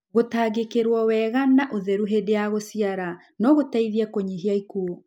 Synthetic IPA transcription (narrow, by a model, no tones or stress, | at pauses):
ɣotaːɣekeɾwɔwɛːɣanaʔoðɛɾuɦedeaɣosiaɾa | nɔɣotaiðiɛkoɲiɦiaikuo